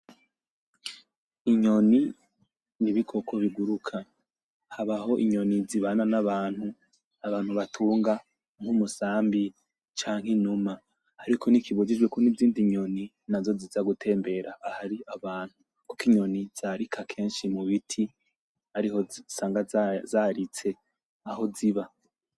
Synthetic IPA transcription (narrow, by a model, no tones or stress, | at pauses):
iɲo̞ni | niβikʰo̞kʰoβiɡuɾukʰa | haβaho̞ʔiɲo̞niziβananaβaːn̥hu | aβaːn̥huβatʰuːŋɡa | ŋ̥humusaːmbi | t͡ʃaːŋ̥ɦenuma | haɾikʰonikʰiβuɟid͡ʒɡwekonivziːndiɲo̞ni | nazo̞zizaɡutʰe̞ːmbe̞ɾaːhaɾiaβaːn̥hu | ko̥kiɲo̞niz̥aɾikʰakʰe̞ːnʃimuβitʰi | aɾihosaːŋɡazaːɾit͡se̞ | aho̞ziβa